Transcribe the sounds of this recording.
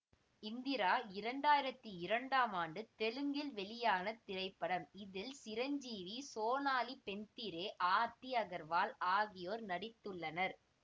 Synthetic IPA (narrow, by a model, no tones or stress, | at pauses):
ɪnd̪ɪɾaːɪɾɐɳɖaːjɪɾɐt̪ːɯɪɾɐɳɖaːmaːɳɖɯt̪ɛlɯŋɡɪlʋɛɭɪjaːnɐt̪ɪɾɐɪpːɐɽɐmɪðɪlsɪɾɐɲd͡ʒiːʋisoːnaːlipɛnt̪ɪɾeːʔaːɾt̪ːiɐɣɐɾʋaːlaːɣɪjoːɾnɐɽɪt̪ːɯɭːɐnɐɾ